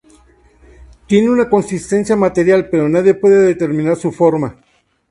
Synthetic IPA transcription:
t̪je̞neunako̞nsist̪e̞nsjamat̪e̞ɾjalpe̞ɾo̞naðje̞pwe̞ðeðet̪e̞ɾmĩnaɾsufoɾma

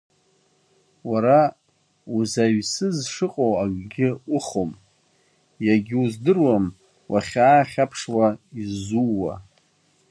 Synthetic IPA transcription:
waɾa | uzaɥsɨzʂɨqʼowaɡʼɡʲɪʊχom | jaɡʲɪuzdɨrwam | wʔa̰χʲaːχʲapʰʂwaizuwa̰

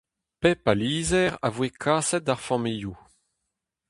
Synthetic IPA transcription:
pɛpaliːzɛʁa̰vwekʰaːsɛt̪aʁfamiju

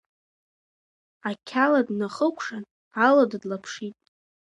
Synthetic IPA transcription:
akʲʰaladnaχəkʷʰʼʂan | aladdlapʰʂitʼ

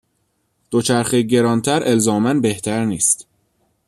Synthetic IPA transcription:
d̪̥ot͡ʃʰæɾxeɟe̞ɾɒːnt̪ʰæɾe̞lzɒːmænbe̞ht̪ʰæɾniːst̪

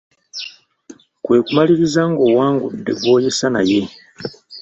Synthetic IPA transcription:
kwe̞ːkumaliɾizaŋɡo̞ːwaːŋɡṵdːe̞̰ɡo̞ːjesana̰je̞

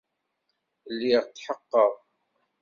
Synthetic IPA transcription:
lːiʁt̪ːħəqːəðˤ

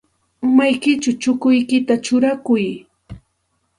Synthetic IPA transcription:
ʊmajkɪt͡ʃʊt͡ʃʊkʊjkɪt̪at͡ʃʊɾakʊj

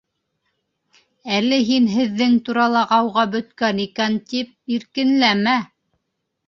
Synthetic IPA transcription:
ælːɘɦinɦɘ̆ðːɘŋt̪uɾɑlˠɑɑwʁɑbɵ̆t̪kænikænt̪ip̚iɾkɘ̆nlæmæ

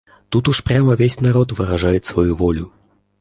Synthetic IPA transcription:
t̪ut̪uʂpɾʲaməvʲesʲnɐɾot̪vɨɾɐʐajɪt̪svɐjuvɔlʲʊ

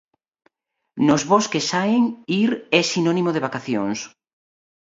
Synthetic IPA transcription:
nozβoskesaeŋiɾɛsinɔnimoðeβakaθjoŋs

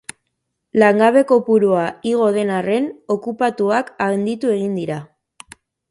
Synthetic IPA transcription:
laŋɡaβe̞ko̞puɾuaiɣ̞o̞ð̞e̞nare̞no̞kupat̪uakaɣend̪it̪ue̞ɣ̞ind̪iɾa

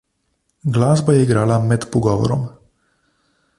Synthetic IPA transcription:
ɡlaːzbajɛiɡɾalamɛt̪puɡɔʋɔ̰ɾɔ̰m

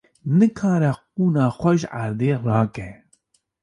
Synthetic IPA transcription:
nɨkʰɑːɾɛq̚uːnɑːxʷɛʒaɾd̪eːrɑːkɛ

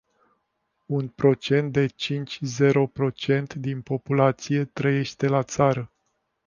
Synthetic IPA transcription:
unpɾo̞t͡ʃe̞nt̪̚d̪e̞t͡ʃint͡ʃʲze̞ɾo̞pɾo̞t͡ʃe̞nt̪d̪inpo̞pulat̪sije̞t̪ɾəje̞ʃt̪e̞lat̪saɾə

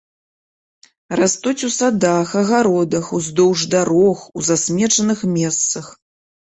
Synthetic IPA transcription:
rast̪ut͡sʲusad̪axɐɣaɾɔd̪ɐxuzd̪ɔwʐd̪aɾɔxuzasʲmʲɛt͡ʂɐnɨxmʲɛst̪sɐx

